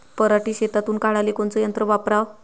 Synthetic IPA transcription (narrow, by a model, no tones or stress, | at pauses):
pəɾaʈiːɕet̪at̪uːnkaɭalekont͡sɔjənt̪ɾəʋapɾaʋ